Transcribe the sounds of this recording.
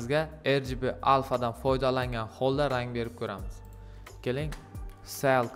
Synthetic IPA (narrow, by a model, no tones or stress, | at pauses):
zɡʲaeɾd͡ʒbɪʔalˠfad̪anfɒjd̪alaŋɡʲanhɒlˠd̪aɾaŋbe̞ɾɪp̚kʰʲɵɾamɪz̥ | kʲʰelɪŋ | selˠk